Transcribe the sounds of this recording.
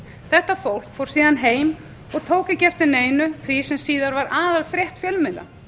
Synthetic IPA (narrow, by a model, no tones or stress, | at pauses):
θɛht̪ːafowl̥kfowɾ̥siːðanɦeːjm | ɔɣt̪ʰoːwcɪcɛft̪ɪneːjnʏθvisɛmsiːðaɾvaɾʔaːðalfɾjɛht̪fjɛlmɪlːa̰